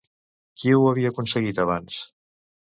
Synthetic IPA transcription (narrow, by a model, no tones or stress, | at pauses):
kiwəβiəːkunsəɣit̪əβans